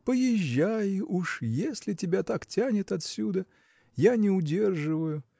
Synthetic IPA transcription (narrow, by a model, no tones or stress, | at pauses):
pəjɪʑːajɪʔuʂjesʲlʲɪtʲɪbʲat̪aktʲanʲɪt̪ɐt̪sʲud̪ə | janʲɪʊdʲe̞rʐɨvəjʊ